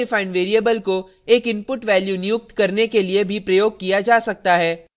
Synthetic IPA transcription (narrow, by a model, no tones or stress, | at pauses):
ɪfaːɪ̃nɖʋeːɾiebəlko | eːkɪ̃mpʊʈʋɛːljunɪjʊk̚t̪kɐɾnekeliebʱipɾɐjoːɡ̚kijad͡ʒaːsɐk̚t̪aɦɛː